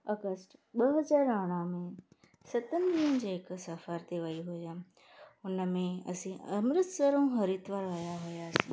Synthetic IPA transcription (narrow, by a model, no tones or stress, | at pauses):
ɐɡəsʈɓəɦɐzaːɾaɽ̃amẽ | sɐt̪ənɪ̆d̪iənd͡ʑeːɪksəfaɾt̪ʰeʋəiɦʊãː | ʊnəmẽɐ̰sĩəmɾɪt̪səɾõɦɐɾit̪ʋaɾʋəjaɦʊjasĩː